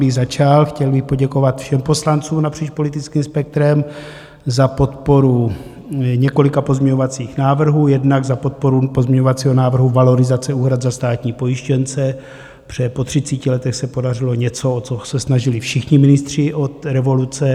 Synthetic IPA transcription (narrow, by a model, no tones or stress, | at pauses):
bɪɣzat͡ʃalxcɛlbɪxpo̞ɟɛko̞vat̪fʃɛmpo̞slant͡suːmnapr̝̥iːt͡ʃpo̞lɪt̪ɪt͡skiːmspɛk̚t̪ɾɛm | zapo̞t̪po̞ɾu | ɲɛko̞lɪkapozmɲɛɲo̞vat͡siːxnaːvr̩ɦuːjɛdnaɡzapot̪̚po̞ɾupozmɲɛɲovat͡siːɦonaːvr̩ɦuvalo̞ɾɪzat͡sɛuːɦɾad̪zast̪aːt̪ɲiːpo̞jɪʃcɛnt͡sɛ | br̝̥ɛpo̞t̪r̝̥it͡sicɪlɛt̪ɛxsɛpo̞darɪlo̞ɲɛt͡soot͡sosɛsnaʒɪlɪfʃɪxɲɪmɪnɪst̪r̝̥ɪʔot̪ɾɛvo̞lut͡sɛ